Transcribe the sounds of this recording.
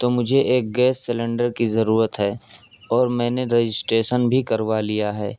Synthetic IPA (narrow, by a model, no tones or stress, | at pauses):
t̪oːmʊd͡ʒʱeʔeːk̚ɡɛːsːɪlẽɳɖəɾkizɐɾuːɾət̪ɦɛː | ɔːɾmɛ̃ːneɾed͡ʒɪsʈɾeːʃənbʱikɐɾʋalijaɦɛː